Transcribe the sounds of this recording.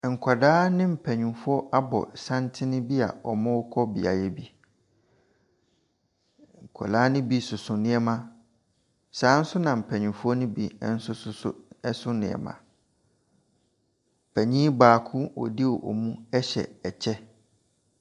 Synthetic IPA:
ŋ̩˨kʷʰa˨daː˦nɪ̃˦m̩˨pʰɛ˨ɲũ˨fʊ˦ɔ˦ʔa˦bɔ̰˨sã˦ntʰɪ˦nɪ̃˦bi˦a̰˨ɔ˨mã˦wʊ˦kʰɔ˦bi˨a̰˨jɛ˦bi˦ | ŋ̩˨kʰa̰˨laː˦nɪ̃˦bi˦sʊ˨sʊ̃˨nɪ̃˦ɛ˦mã˦ | saː˨˦n̩˦sʊ˦nã˨m̩˨pʰɛ˨ɲũ˨fʊ˦ɔ˦nʊ̃˦bi˨˦˨n̩˦sʊ˦sʊ˦sɛ˦sʊ˦nɪ̰̃˨ɛ̰˨mã̰˨ | pʰɛ˨ɲĩ˦baː˨kʰʊ˦ɔ̰˨di˦wɔ˨ʔɔ̰˨mũ˦ɛ˦ɕɛ̰˨ɛ˨t͡ɕʰɛ˦

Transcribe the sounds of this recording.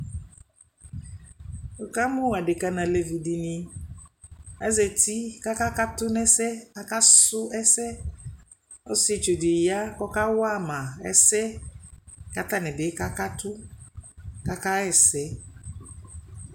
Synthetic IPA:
o˨ka˦mʊ̃˦˨a˨dɪ˨ka˨nã˨lɛ˨vi˨di˨ni˨ | ɛ˦zɛ˨ti˦ka˦ka˦ka˦tʊ˦nɛ˦sɛ˦a˦ka˦sʊ˦ɛ˦sɛ˦ | ɔ˦st͡ʃo˨dɪ˨ja˦kɔ˦ka˦wa˦˨mã˨ɛ̰˦sɛ˦ | ka˨ta˦nɛ˨bɪ˨˦ka˦ka˦tʊ˦ | ka˦ka˦ɛ˨sɛ˦

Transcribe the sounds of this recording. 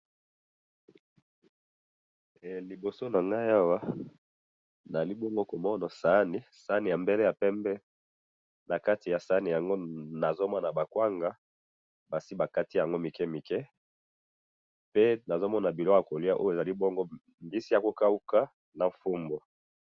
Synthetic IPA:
ɛ˨li˨bo˨so˦na˨ŋɡa˦ja˦wa˦ | na˨li˦bɔ˦ŋɡo˦ko˨mɔ˦na˨sa˨˦ni˨˦sa˨˦ni˨ja˨mbe˦le˦ja˨pɛ˦mbɛ˦ | na˨ka˦ti˨ja˨sa˨˦ni˨ja˨ŋɡo˦na˨zo˦mɔ˦na˨ba˨kwa˦ŋɡa˦ | ba˨si˦ba˨ka˦ti˦ja˨ŋɡo˦mi˨kɛ˦mi˨kɛ˦ | pe˦na˨zo˦mɔ˦na˨bi˨lɔ˦a˨ko˨li˦a˦ʔo̰˦jo˨e˨za˨li˦bɔ˦ŋɡo˦ | mbi˦si˦a˨ko˦ka˦u˦ka˦ | na˨fu˦mbo˨

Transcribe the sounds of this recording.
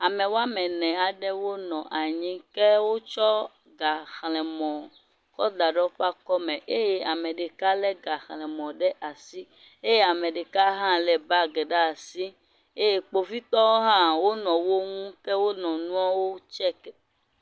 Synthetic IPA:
a˨mɛ̃˨wo˦a˦mɛ̃˨nɛ̃˨a˨ɖɛ˦wo˦nɔ̃˨ʔa˨ɲĩ˦kɛ˦wo˦t͡ʃɔ˦ | ɡa˨xlɛ̃˨mɔ̃˨ | kɔ˦d̪a˨ɖɔ˦ɸa˦kɔ˦mɛ̃˨ʔe˦je˦a˨mɛ̃˨ɖe˨ka˦lɛ˦ɡa˨xlɛ̃˨mɔ̃˨ɖɛ˦ʔa˨si˦ | e˦je˦a˨mɛ̃˨ɖɛ˨ka˦ɦã˦lɛ˨ba˦ɡɛ˨ɖa˦˨si˦ | e˦je˨k͡po˨vi˦t̪ɔ˦wo˦ɦã˦wo˦nɔ̃˨wo˦ŋũ˦kɛ˦wo˦nɔ̃˨nũ˦ã˦wo˦t͡ʃɛ˦kɛ˦

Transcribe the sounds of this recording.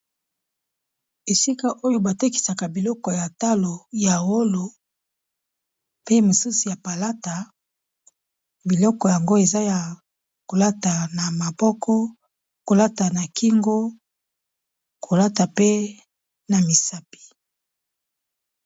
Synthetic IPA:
e˨si˦ka˦ʔo˦jo˦ba˨te˦ki̥˨sa˨ka˨bi˨lɔ˦kɔ˨ja˨ta˦lo˨ja˨wo˦lo˨ | pe˦mo˨su˦su˨ja˨pa˨la˦ta˨ | bi˨lɔ˦kɔ˨ja˨ŋɡo˦e˨za˦ja˨ | ko˨la˦ta˨na˨ma˨bɔ˦kʰɔ˦ | ko˨la˦ta˨na˨kʰi˦ŋɡo˦ | kʰo˨la˦ta˨pe˦ | na˨mi˨sa˦pi̥˨

